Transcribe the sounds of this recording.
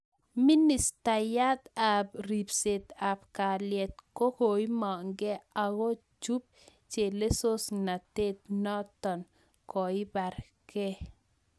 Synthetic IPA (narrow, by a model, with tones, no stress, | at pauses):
mi˦ni˨sta˨ja˦t̪a˨bɾi˨pse˨t̪a˨pka˨ljɛ˨t̪̚ko˦ho˨jmɔ˨ŋɡɛ˦a˨ɡɔ˦ | d͡ʒu˦p̚ | t͡ʃe˨le˦so˦sna˨te˦t̪̚nɔ˦t̪ɔ˨n | kɔ˨i˦ba˨ɾ | kɛ˦